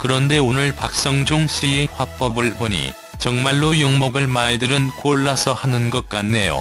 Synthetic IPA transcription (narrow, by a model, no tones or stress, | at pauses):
kɯɾʌnde̞onɯɭpak̚s͈ʌŋd͡ʑoŋɕ͈ʰieɸwap͈ʌbɯɭpoɲḭ | t͡ɕʌŋmaɭːojoŋmʌɡɯɭmaɭdɯɾɯnkoɭːasʰʌhanɯnɡʌk͈anːe̞jo̰